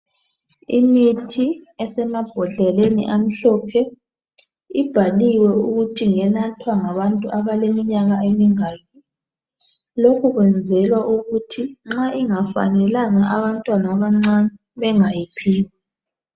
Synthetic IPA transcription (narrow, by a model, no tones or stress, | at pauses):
imitʰiɛsɛmab̥ʱɔɮɛlenḭʔam̩ɬɔpʰɛ | ib̥ʱaliwɛuɣutʰiŋɛnatʰwaŋaβantʼuʔaβalemiɲaɣaemiŋaːkʰi | lokʰuɣwɛnd͡zʱɛlwaʔuɣutʰiŋ͡ǁaʔiŋafa̰nɛlaŋaʔaβantʼwanaβaŋ͡ǀanɛ | βɛŋajipʰiːwa